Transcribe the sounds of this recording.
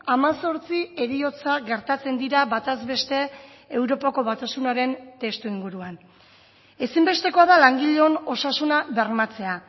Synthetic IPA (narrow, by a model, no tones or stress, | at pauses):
amaso̞ɾt͡sie̞ɾio̞t͡saɡe̞ɾt̪at͡se̞nd̪iɾaβat̪azβe̞st̪e̞ | ewɾo̞pako̞βat̪asunaɾe̞nt̪e̞st̪uiŋɡuɾuan | e̞simbe̞st̪e̞ko̞aðalaŋɡiʎeo̞no̞sasunaβe̞ɾmat͡se̞a